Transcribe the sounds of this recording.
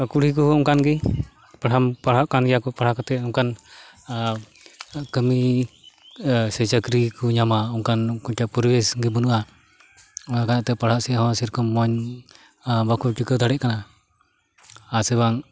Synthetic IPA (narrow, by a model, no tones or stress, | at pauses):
kuɽ̤ik̬ɔhɔɔŋkanɡi | paɽampaɽaʔkanɡjakɔpaɽhakɔt̪ɛɔŋkan | kəmi | sɛt͡ʃakɾikɔɲamaɔŋkankɔɲt͡ʃapɔɾbɛsɡibunuʔa | ɔnakanat̪ɛpaɽhaʔsiɦɔ̃siɾkɔmːɔɲ | bakʰuʈikəd̪ʰʱaɽɛʔ̚kana | asɛbaŋ